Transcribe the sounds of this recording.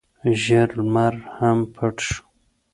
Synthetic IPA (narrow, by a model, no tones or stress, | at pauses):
ʒəɾmaɾhampʰəʈʃ